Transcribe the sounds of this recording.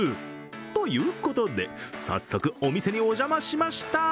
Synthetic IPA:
t̪o̞jɯ̟ːko̞t̪o̞d̪e̞sa̰sːo̞kɯ̟o̞mʲise̞ɲ̟io̞ʑamaɕimaɕi̥t̪a

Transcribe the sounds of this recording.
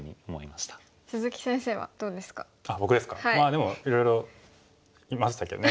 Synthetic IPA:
ɲ̟ḭomoimaɕi̥t̪ḁ | sɨzɨkʲi̥sẽ̞ɰ̃se̞ːβa̰d̪̥oːd̪esɨ̥ka̰ | abo̞kɯ̟d̪e̞sɨ̥ka̰hamaːd̪e̞mo̞iɾo̞jɾo̞ | imaɕi̥t̪ake̞d̪one

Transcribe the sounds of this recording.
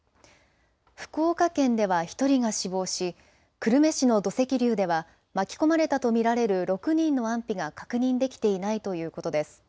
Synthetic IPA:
ɸɯ̟̥ko̞ːkakẽ̞nd̪e̞βaçi̥t̪o̞ɾʲiɡaɕibo̞ːɕi | kɯ̟ɾɯ̟me̞ɕino̞d̪o̞se̞kʲiɾʲɨːd̪e̞βa | makʲi̥ko̞maɾe̞t̪at̪o̞mʲiɾaɾe̞ɾɯ̟ɾo̞kɯ̟ɲ̟ĩnːo̞ãmpʲiɡakakɯ̟ɲ̟ĩnd̪e̞kʲi̥t̪e̞inait̪o̞jɯ̟ːko̞t̪o̞d̪e̞sɨ̥

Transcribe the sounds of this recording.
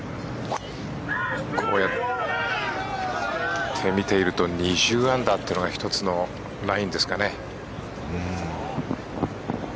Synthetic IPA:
kʰo̞ːjat̪ | t̪ʰe̞mʲit̪e̞iɾɯ̟t̪o̞ɲ̟ʲiʑɨːãnd̪at̪ːenoɡaçi̥t̪o̞t͡sɨno̞ | ɾaĩnd̪e̞sɨ̥kanẽ̞

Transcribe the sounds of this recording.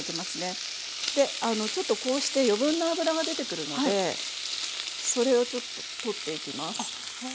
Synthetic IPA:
ikʲimasɨne̞ | d̪̥e̞ano̞t͡ɕo̞t̪ːo̞ko̞ːɕi̥t̪e̞jo̞bɯ̟̃nːoabɯ̟ɾaɡad̪e̞t̪e̞kɯ̟ɾɯ̟no̞d̪e̞ | so̞ɾe̞o̞t͡ɕo̞t̪ːo̞̥t̪o̞t̪ːe̞ikʲimasɨ̥

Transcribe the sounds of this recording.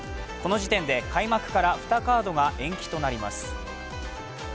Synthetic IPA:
ko̞no̞ʑit̪ẽ̞nd̪e̞kʰaimakɯ̟̥kaɾaɸɯ̟̥t̪akaːd̪o̞ɡaʔẽ̞ŋkʲi̥t̪o̞naɾʲima̰sɨ̥

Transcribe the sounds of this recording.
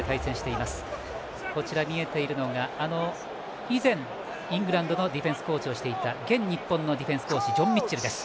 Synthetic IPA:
et̪aisẽ̞ɰ̃ɕi̥t̪e̞imasɨ̥ | ko̞t͡ɕiɾamʲie̞t̪e̞iɾɯ̟no̞ɡaano̞ | izẽ̞ŋ | ĩŋɡɯ̟ɾãnd̪o̞no̞d̪ʲiɸẽ̞ɰ̃sɨ̥ko̞ːt͡ɕio̞ɕi̥t̪e̞it̪aɡẽ̞ɲ̟ɲːipːõ̞nːo̞d̪ʲiɸẽ̞ɰ̃sɨ̥ko̞ːt͡ɕid͡ʑõ̞mːʲit͡ɕːiɾɯ̟d̪esɨ̥

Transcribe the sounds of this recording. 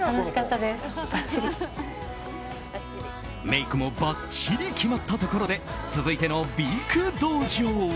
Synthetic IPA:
anoɕi̥kat̪ːad̪esb̥aiɾʲi | me̞ikɯ̟mo̞bat͡ɕiɾʲikʲimat̪ːat̪o̞ko̞ɾo̞d̪e̞t͡sɨzɨit̪e̞no̞bʲikɯ̟d̪oːʑoː

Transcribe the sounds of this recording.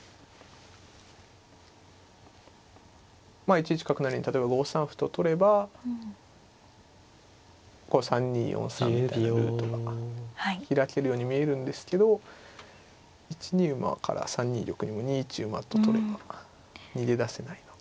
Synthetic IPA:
maːit͡ɕit͡ɕi̥kakɯ̟naɾiɲ̟it̪at̪obaɡo̞ːsãɰ̃ɸɯ̥t̪ot̪o̞ɾe̞ba | ko̞sãɲ̟ːḭːjʔõ̰ɰ̃sã̰ieɯ̟t̪okahaiçiɾake̞ɾɯ̟jo̞ːɲ̟imʲie̞ɾɯ̟̃nd̪e̞sɨ̥ke̞d̪o̞ | it͡ɕiɲiɯ̟ma̰kʰa̰ɾa̰sãɲ̟ːḭːɾʲo̞kɯ̟ɲ̟imo̞ɲ̟iːt͡ɕɨːma̰t̪o̞t̪o̞ɾe̞ba | ɲ̟id̪e̞d̪ase̞naino

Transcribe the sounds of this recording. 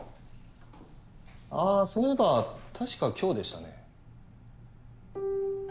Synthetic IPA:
aːsoɾebat̪ʰaɕi̥kakʲʰo̞ːd̪e̞ɕi̥t̪a̰ne̞̰

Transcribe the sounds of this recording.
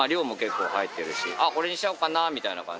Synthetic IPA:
aɾʲo̞ːmo̞ke̞kːo̞̰ːhait̪ːe̞ɾɯ̟ɕḭʔako̞ɾe̞ɲiɕi̥aɯ̟kanaːmʲit̪aina̰kã̰ɲ

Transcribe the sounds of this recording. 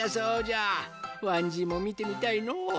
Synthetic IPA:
asaod͡ʒawaɲd͡ʒimomit̪emit̪aino

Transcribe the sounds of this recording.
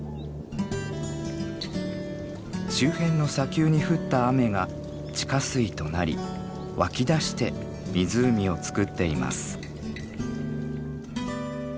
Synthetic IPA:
ɕɨːhẽ̞nːo̞sakʲɨːɲ̟iɸɯ̟t̪ːaːme̞ɡa | t͡ɕi̥kasɨit̪o̞naɾʲḭ | βakʲid̪aɕi̥t̪e̞ | mʲizɨːmʲio̞t͡sɨ̥kɯ̟t̪ːe̞ima̰sɨ̥

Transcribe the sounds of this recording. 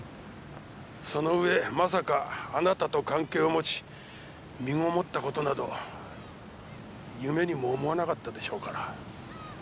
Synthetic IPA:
so̞no̞ɯ̟e̞mas̬akaːnat̪at̪o̞kãŋke̞ːomo̞t͡ɕi̥ | mʲiŋo̞mo̞t̪ːako̞t̪o̞nad̪o̞ | jɯme̞ɲ̟imo̞ːmo̞anakat̪ːad̪e̞ɕo̞ːkaɾa

